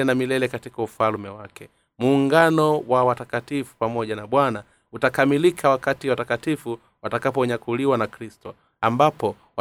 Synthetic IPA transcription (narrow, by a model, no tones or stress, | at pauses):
ɛnamilɛlɛkatikaufalmɛwakɛ | muːŋɡanɔwawatakatifu̥pamɔʄanaɓwana | utakamilikʰawakatiwatakatifu | watakapɔɲakuliwanakɾistɔ | ambapɔ | wa